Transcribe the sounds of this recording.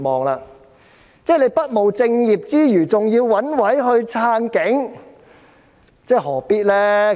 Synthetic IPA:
mɔː˨ŋlaː˧ | t͡sɛː˥˩nle˨˧jpɐ˥t̚mo˨˧wt͡sɪ˧ŋjiː˨p̚t͡siː˥jyː˨˩t͡sʊ˨ŋjiː˧wwɐ˨˥nwɐ˨˥jɦɵ˧ɥt͡sʰaː˧˥nkɪ˨˥ŋ | t͡sɛː˥˩hɔː˨˩piː˥t̚lɛː˥

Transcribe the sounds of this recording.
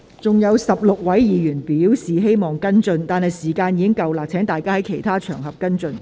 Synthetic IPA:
t͡sʊ˨ŋjɐ˨˧wsɐ˨p̚lʊ˨k̚wɐ˨˥jjiː˨˧jyː˨˩npi˨˥wsiː˨ɦe˥jmɔː˨˩ŋkɐ˥nt͡sɵ˧nt̪aː˨nhɐ˨jsiː˨˩kaː˧njiː˧kɪ˥ŋkɐ˨˧wlaː˨k̚t͡sʰɛː˨˥ŋt̪aː˨jkaː˥hɐ˨˥jkʰe˨˩jt̪ʰaː˥t͡ʃʰœː˨˩ŋɦɐ˨p̚kɐ˥nt͡ʃɵ˧n

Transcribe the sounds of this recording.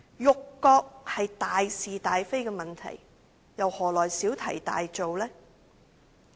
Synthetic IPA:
jʊ˨kːɔː˧k̚hɐ˨jt̪aː˨jsiː˨t̪aː˨jfe˥jkɛː˧mɐ˨˩nt̪ʰɐ̰˨˩j | jɐ˨whɔː˨˩lɔː˨˩jsiː˨˥wt̪ʰɐ̰˨˩jt̪a̰ː˨jt͡so˨wlɛː˥

